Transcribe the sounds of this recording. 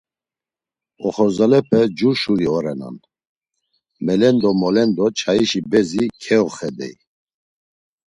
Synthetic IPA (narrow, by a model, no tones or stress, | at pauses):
ɔχɔzalɛpʰɛd͡ʒuʃuɾiɔɾɛna̰n | mɛlɛnd̪ɔmɔlɛnd̪ɔt͡ʃʰaiʃibɛzikʰɛɔχɛd̪ɛ̰j